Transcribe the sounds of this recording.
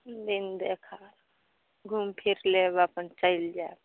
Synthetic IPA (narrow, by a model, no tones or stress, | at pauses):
d̪ind̪ekʰaɾ | ɡʱumpʰiɾlebapənt͡ʃaild͡ʒa